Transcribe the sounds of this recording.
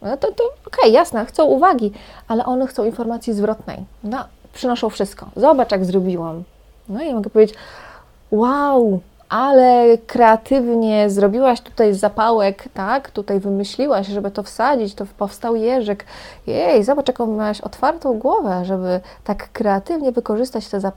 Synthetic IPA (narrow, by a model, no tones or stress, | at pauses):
nɔt̪ɔt̪ɔɔkɛjːasnaxt̪sɔ̃w̃uvaɡʲiʔalɛʔɔnɛxt̪sɔ̃w̃infɔɾmat̪sʲjizvɾɔt̪nɛ̰jnɔ | pʂɘnɔʂɔ̃w̃fʂɘst̪̚kɔ̰zɔbat͡ʂjaɡzɾɔbʲiwam | nɔimɔɡɛpɔvʲed͡ʑt͡ɕ | waw | ʔalɛkɾɛat̪ɘvɲɛzɾɔbʲiwaɕt̪u̥t̪ajzapawɛkt̪akt̪ut̪ajvɘmɘɕlʲiwaɕʐɛbɘt̪ɔfsad͡ʑit͡ɕt̪ɔpɔfst̪awjɛʐɛkjɛjzɔbat͡ʂjakɔ̃w̃mʲawaɕɔ̰t̪faɾt̪ɔ̃w̃ɡwɔvɛʐɛbɘ | t̪akːɾɛat̪ɘvɲɛvɘkɔʐɘst̪at͡ɕt̪ɛzap